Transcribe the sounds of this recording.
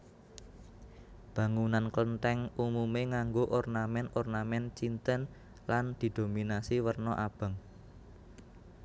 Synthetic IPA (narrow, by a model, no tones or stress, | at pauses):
b̥ä̤ŋunanklənt̪ɛŋumumeŋaŋɡoʔɔrnamɛnɔrnamɛnt͡ʃint̪ən | land̪̥i̤d̪̥o̤minasiwərnɔʔab̥ə̤ŋ